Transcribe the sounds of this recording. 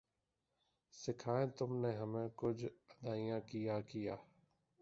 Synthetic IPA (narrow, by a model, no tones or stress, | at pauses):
sɪkʰaːẽt̪ʊmneɦɐmẽkʊd͡ʒʱɐd̪aːijãkijaːkijaː